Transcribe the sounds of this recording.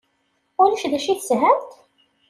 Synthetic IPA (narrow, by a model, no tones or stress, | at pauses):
ʊlæʃðæʃiθsɦænt̪